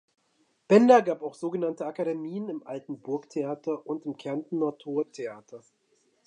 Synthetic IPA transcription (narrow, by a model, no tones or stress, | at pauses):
b̥ɛndɐɡaːpaʊxz̥oːɡənantəakaɾemiːənɪmʔaltn̩bʊɐktʰeaːtʰɐʔʊntɪmkʰɛɐntn̩ːɔɐtʰoːɐtʰeaːtʰɐ